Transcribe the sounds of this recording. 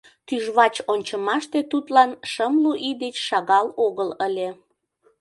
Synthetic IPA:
t̪yʒβɑt͡ɕonʲt͡ɕəmɑʃt̪et̪ut̪lɑnʃəmluʔid̪et͡ɕʃɑɣɑloɣələlʲe

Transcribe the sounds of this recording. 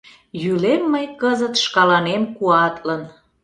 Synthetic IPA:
jylemːəjkəzət̪ʃkɑlɑnemkuɑt̪lən

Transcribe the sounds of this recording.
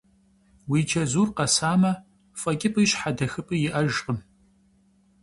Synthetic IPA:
wiːt͡ʃʰɐzuːrqɐsaːmɐ | fʼɐkʲʼɪpʼɨɕħadɐxɨpʼɨjɪʔɐʒqəm

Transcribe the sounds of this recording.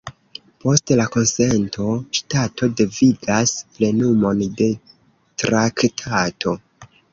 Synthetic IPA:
po̞stlako̞nse̞ntʰo̞ʃtato̞deviɡasple̞numo̞nde̞ | tɾaktʰatʰo̞

